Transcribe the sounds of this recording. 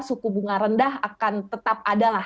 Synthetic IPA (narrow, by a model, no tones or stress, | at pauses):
sukubuŋaɾəndaɦakant̪ət̪ap̚ʔadalah